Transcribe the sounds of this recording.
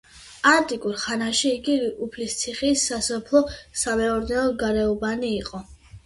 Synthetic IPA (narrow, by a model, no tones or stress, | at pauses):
aɾt̪ʼikʼuɾχanaʃiːɡiɾiʔupʰlist̪sʰiχisːasɔpʰlˠɔsamɛɔɾd̪nɛnɔɡaɾɛɔbaniːqʼɔ